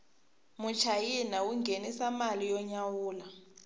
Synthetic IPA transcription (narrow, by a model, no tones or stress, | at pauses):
mut͡ʃʰajinawuŋɡʱenisamalijɔɲawuːla